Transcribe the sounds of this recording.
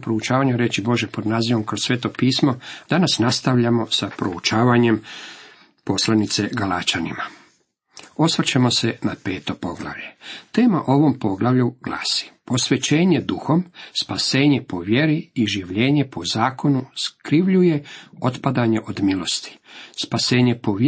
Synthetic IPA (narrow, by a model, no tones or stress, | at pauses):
pɾout͡ʃaːʋaɲuɾe̞t͡ɕibo̞ʒepo̞d̪naːziʋo̞mkɾo̞ssʋe̞ːt̪o̞piːsmod̪̥anasnast̪aʋʎamo̞sapɾout͡ʃaːʋaɲe̞m | po̞slˠanit̪se̞ɡalaːt͡ʃanḭma | o̞sʋat͡ɕamo̞senape̞ːt̪o̞po̞ɡla̰ʋʎet̪e̞ːmaʔo̞ʋo̞mpo̞ɡlˠaʋʎuɡ̥la̰ːsi̥po̞sʋe̞t͡ɕeːɲe̞d̪uxo̞mspase̞ːɲe̞po̞ʋje̞ɾiiʒiʋʎe̞ːɲe̞po̞zaːko̞nuskɾiʋʎuje̞o̞t̪pad̪aɲe̞ʔo̞d̪milo̞st̪i̥spase̞ːɲe̞po̞ʋ